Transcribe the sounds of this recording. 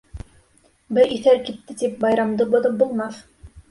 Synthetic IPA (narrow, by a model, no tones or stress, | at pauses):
bɘʔiθæɾkit̪ːɘt̪ip̚bɑjɾɑmd̪ɤbŏðɤp̚bulˠmɑθ